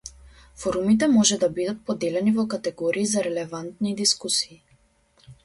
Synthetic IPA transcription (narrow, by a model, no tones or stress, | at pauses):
fɔɾumit̪̬ɛmɔʒɛd̪abid̪at̪̚pɔd̪ɛlɛnivɔkat̪ɛɡɔɾiːzaɾɛlɛvant̪nid̪iskusiː